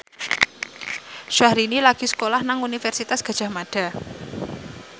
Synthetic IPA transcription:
ʃahɾinilaɡ̥i̤sə̥kolahnaŋunifɛrsit̪asɡ̥a̤d̥ʒ̥a̤hmaɖ̥a̤

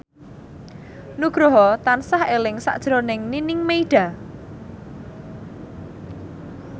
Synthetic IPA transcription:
nuɡ̥ɾoɦɔt̪ansahelɪŋsa̰ʔd̥ʒ̥ɾonɪŋninɪŋmeiɖ̥a̤

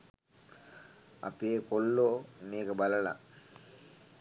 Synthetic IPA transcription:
a̰peːkolːoːmeːkəbaləla̰

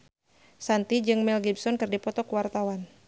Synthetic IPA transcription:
sant̪id͡ʒɨŋmɛlɡibsɔnkɨrdipɔt̪ɔkuwart̪awan

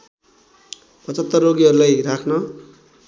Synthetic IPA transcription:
pʌt͡sʌt̪ːʌroɡiɦʌɾulajrakʰnʌ

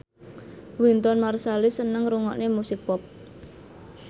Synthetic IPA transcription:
wint̪ɔnmarsalisənəŋɾuŋɔ̰ʔnemusɪk̚pɔp̚

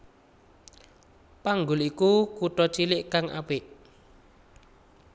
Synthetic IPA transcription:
paŋɡʊlikukuʈɔt͡ʃilɪʔkaŋa̰pɪʔ

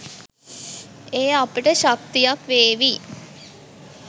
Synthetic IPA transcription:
eːapiʈəʃak̚t̪ijakʋeːʋi

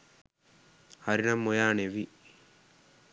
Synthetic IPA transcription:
hɐɾinɐmːojaːneʋi

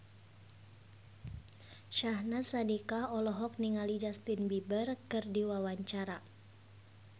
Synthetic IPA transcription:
ʃaɦnasadikaɔlɔɦɔk̚niŋalid͡ʒast̪inbibərkɨrdiwawaɲt͡ʃaɾa

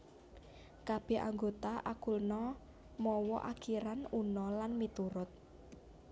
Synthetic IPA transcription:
kab̥ɛ̤a̰ŋɡot̪aʔakulnɔ | mɔwɔʔakiɾanunɔlanmit̪uɾʊt̪̚

